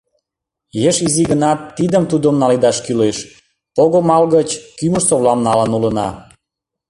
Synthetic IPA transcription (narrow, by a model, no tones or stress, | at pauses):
jeʃiziɣənɑt̪ːid̪əmt̪ud̪omnɑlid̪ɑʃkyleʃ | poɣomɑlɣət͡ɕkyməʃsoβlɑmnɑlənulənɑ̰